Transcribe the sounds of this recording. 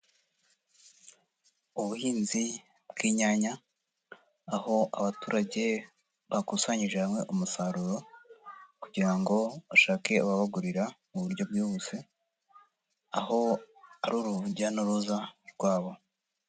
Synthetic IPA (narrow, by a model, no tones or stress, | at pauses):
uβuhiːnzi | bɡiːɲaɲa | ho̞ʔa̰βatuːɾaɟe̞ | βakusaɲiʒehamŋe̞ʔumusaɾuɾo̞ | kuɟiɾaŋɡo̞aʃaːke̞uβaβaɡuɾiɾamuβuɾɟo̞b̚ɡiβuse | a̰ho̞a̰ɾuɾuɟanuɾuzaɾɡwaːβo̞